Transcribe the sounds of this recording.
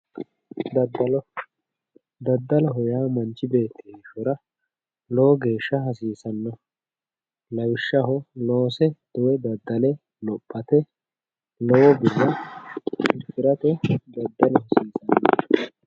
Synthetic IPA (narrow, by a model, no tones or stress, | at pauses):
d̪ɐd̪ːɐlɔ | d̪ɐd̪ːɐlɔɦɔjaːmɐnt͡ʃːɪbe̞ːt̪ːɪhʃɔɾɐ | lɔwɔɡe̞ːʃːɐɦɐsiːsɐnːɔ | lɐwɪʃːɐɦɔloːsɛd̪̥ʊwɛd̪ɐd̪ːɐlɛ | lɔpʼːɐt̪ɛ | lɔwɔbɪrːɐ | ɪkːɪɾɐt̪ɛd̪ɐd̪ːɐlɔhɐsiːsɐnːɔ